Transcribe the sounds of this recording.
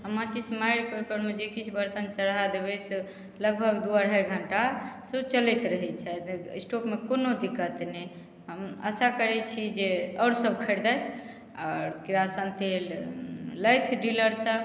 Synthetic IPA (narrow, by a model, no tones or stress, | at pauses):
ɦəmãt͡ʃismajɾkəepəɾmed͡ʒekit͡ʃʰbəɾt̪ənt͡ʃəɽad̪ebɛsə | ləɡbʱəɡd̪uaɾɦajɡʱəɳʈasət͡ʃəlɛt̪ɾəɦɛt͡ʃʰɛsʈokmekonod̪ikət̪nɛ | ɦəmə̰sakəɾɛt͡ʃʰid͡ʒeɔʊɾsəbkʰəɾd̪ajt̪ʰ | aʊɾkiɾasənt̪elː | əjt̪ʰɖiləɾsə̃